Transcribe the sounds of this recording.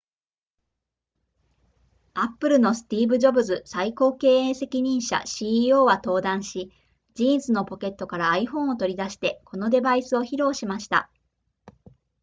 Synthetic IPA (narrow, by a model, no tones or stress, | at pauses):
apːɯ̟ɾɯ̟no̞sɨ̥t̪ʲiːbɯ̟ʑo̞bɯ̟zɨsaiko̞ːke̞ːẽse̞kʲiɲ̟ĩɰ̃ɕa̰ɕiːo̞ːβat̪o̞ːd̪ãɰ̃ɕi | d͡ʑĩːñzɨno̞po̞ke̞t̪ːo̞kaɾaːiɸõ̞ɰ̃o̞t̪o̞ɾʲid̪aɕi̥t̪e̞ko̞no̞d̪e̞baisɨo̞çiɾo̞ːɕimaɕi̥t̪a̰